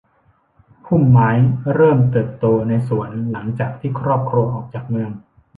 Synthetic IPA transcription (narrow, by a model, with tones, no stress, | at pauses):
kʰu˥˩mːaː˦˥jɾɤː˥˩mt̪ɤː˨˩p̚t̪oː˧na˧jsu˨˩˦ənla˩˦ŋt͡ɕaː˨˩k̚t̪ʰiː˥˩kʰɾɔː˥˩p̚kʰɾu˧əʔɔː˨˩k̚t͡ɕaː˨˩k̚mɯ˧əŋ